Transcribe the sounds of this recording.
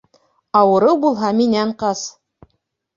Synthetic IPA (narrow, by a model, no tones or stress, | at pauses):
ɑwɤ̆ɾɤwbulˠɦɑminæɴqɑs